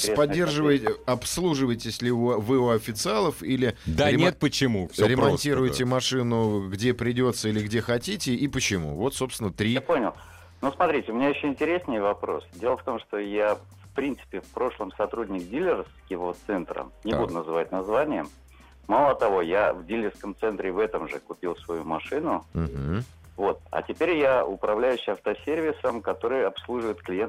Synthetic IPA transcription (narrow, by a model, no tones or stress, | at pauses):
epɐdʲːe̞rʐɨvəjʲɪɐpslˠuʐɨvəjtʲɪsʲlʲɪuvɨuɐfʲɪt̪sɨalˠəfilʲɪd̪aɾɪnʲet̪̚pət͡ɕɪmufsʲoɾʲɪmɐntʲiɾʊjt̪ʲɪmɐʂɨnʊɡdʲe̞pɾʲɪdʲo̞t̪səilʲɪɡdʲe̞xɐtʲitʲɪipət͡ɕɪmṵvo̞t̪so̞pst̪vʲɪnːət̪ɾʲiponʲɪlˠ | nusmɐt̪ɾʲitʲɪʊmʲɪnʲajɪɕːoɪnʲtʲɪɾʲesnəjvɐpɾo̞̰sdʲe̞lˠəft̪o̞mʂt̪oja | fpɾʲint̪sɨ̥pʲɪfpɾo̞ʂlˠəmsɐt̪ɾudʲnʲɪkdʲilʲɪrskʲɪvot̪sɛnt̪ɾə̰nʲɪbud̪ʊnəzɨvat̚ʲnɐzvanʲɪjəm | malˠət̪ɐvo̞javdʲilʲɪrskəmt̪sɛnt̪ɾʲɪvɛt̪əmʐɨ̰kʊpʲilˠsvɐjumɐʂɨnʊɦm̩ | vo̞t̪̚ɐ̰tʲɪpʲeɾʲjaʊ̰pɾɐvlʲæjʉɕːɪɐft̪əsʲervʲɪsəmkɐt̪o̞ɾɨjɐpslˠuʐɨvɪt̪klʲɪjent̪